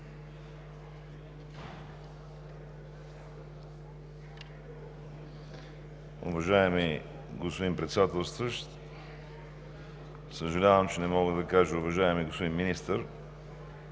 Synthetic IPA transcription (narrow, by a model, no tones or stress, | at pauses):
ʊ̰vɐʒaɛmi | ɡospod̪impɾɛt̪sɛd̪at̪ɛlˠst̪vəʃt̪ | səʒɐlʲavəmt͡ʃɛnɛmɔɡəd̪ɐkaʒəʊvɐʒaɛmiɡospod̪inminist̪əɾ